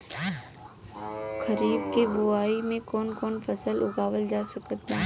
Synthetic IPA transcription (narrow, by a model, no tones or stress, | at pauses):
kʰəɾiːbkebʊaːimẽkɔːnkɔːnfʰəsəlʊɡaːʋəld͡ʒaːsəkət̪ãː